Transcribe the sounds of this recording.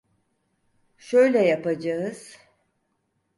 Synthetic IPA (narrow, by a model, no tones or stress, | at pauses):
ʃø̞jlʲɛjapad͡ʒaɯz̥